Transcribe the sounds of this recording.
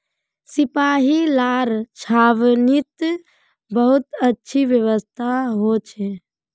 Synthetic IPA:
sɪpaːɦilaːɾt͡ʃʰaːʋnit̪ | bəɦʊt̪ətːʃʰiʋjəʋəst̪ʰaɦot͡ʃʰe

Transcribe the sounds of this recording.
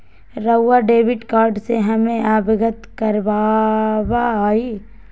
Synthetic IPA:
ɾɐʊːaɖeːʋɪʈkaːɾɖseɦɐmẽʔaːbɪɡət̪kɐɾbabaːi

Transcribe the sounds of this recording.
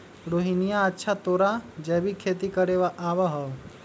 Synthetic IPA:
ɾoɦinijaətːʃʰat̪oːɾad͡ʒɛbʱikʰeːt̪ikəɾeʋaʔaːʋaɦɔʋ

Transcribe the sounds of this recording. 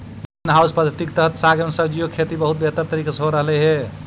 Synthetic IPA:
nɦawspəd̪ʱjət̪ikt̪əɦət̪saɡəmsəbd͡ʒijokʰet̪ibəɦut̪̚bet̪əɾt̪əɾikasɦoɾəɦlɛɦe

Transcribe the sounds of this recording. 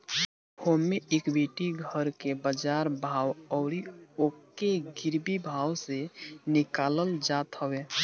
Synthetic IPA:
homːeʔekbʱiʈiɡʱəɾkebəd͡ʒaɾbʱawɔʊɾiokːeɡɪɾbibʱawsenɪkaləld͡ʒat̪ɦəwe

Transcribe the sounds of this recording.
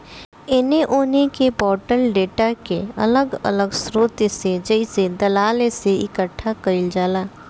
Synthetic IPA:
ɪneʔoːnekepɔːɾʈəlɖeːʈakeɐ̰ləɡɐ̰ləɡsɾoːt̪jsed͡ʒəised̪ɐlaːleseɪkəʈʰːakɐɾɪld͡ʒaːlaː

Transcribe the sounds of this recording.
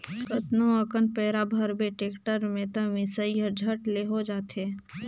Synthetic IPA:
kət̪noəkənpɛːɾabʱəɾbeʈeːkʈəɾmẽt̪əmɪsəiəɾd͡ʒʱəʈleɦod͡ʒaːt̪ɦeː

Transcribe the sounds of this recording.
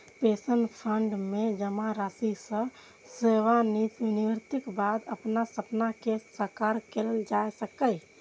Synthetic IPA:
pesənpʰəɳɖmed͡ʒəmãɾasisə̃ | seʋaniniʋɾt̪ɪkbad̪əpnasəpnakesəkaɾkelld͡ʒaesəkəj

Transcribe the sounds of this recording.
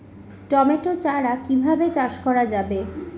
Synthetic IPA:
ʈɔmeʈot͡ɕaɽakibʱabet͡ɕaʃkɔɾad͡ʑabe

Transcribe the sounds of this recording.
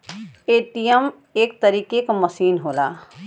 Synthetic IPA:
eːʈijəm | eːk̚t̪ɐɾiːkekamɐsiːnɦoːla̰ː

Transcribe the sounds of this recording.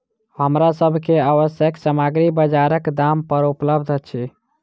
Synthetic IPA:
həmɾasəbʱkeaβəsjəksəmaɡɾibəd͡ʒaɾəkd̪ampəɾupləbʱd̪ʱət͡ʃʰi

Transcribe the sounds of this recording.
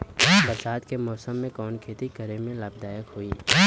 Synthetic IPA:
bɐɾsaːd̪kemɔːsəmːẽkɔːnkʰeːt̪iɡʱəɾemẽlaːbd̪aːjəkɦoiː

